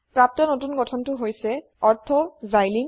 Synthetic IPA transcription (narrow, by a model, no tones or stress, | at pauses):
pɹap̚tɔnotunɡɔtʰɔntʊɦojsɛ | ɔɹtʰɔzajlin